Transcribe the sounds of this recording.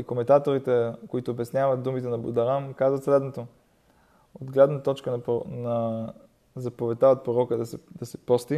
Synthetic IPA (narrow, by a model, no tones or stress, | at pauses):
ikomɛnt̪at̪oɾit̪ɛkoit̪oːbɛsnʲjavət̪̚d̪umit̪ɛnɐbud̪ɐɾamkazvət̪slɛd̪not̪o | od̪ɡlɛd̪nət̪ɔt͡ʃkənnɐ | zɐpovɛt̪aot̪̚pɾoɾɔkəd̪sd̪ɐsɛ̥pɔst̪i